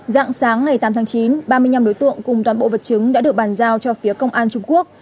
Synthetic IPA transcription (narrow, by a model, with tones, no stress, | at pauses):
za̰ː˧˨ŋsaː˨˦ŋːa˨˩jt̪aː˨˦mt̪ʰːŋt͡ɕi˨˦nɓaː˧mɨ˧əjɲa˧mɗo˨˦jt̪ɨ̰˧˨əŋkʊ˨˩ŋ͡mt̪waː˨˩nɓo̰˧˨və˨˩t̚t͡ɕɨ˨˦ŋɗa̰ː˧˥ɗɨ˨˩ək̚ɓaː˨˩nzaː˧wt͡ɕɔ˧fi˨˦əkə˧wŋ͡mʔaː˧nt͡ɕʊ˧ŋ͡mku˦˥ək̚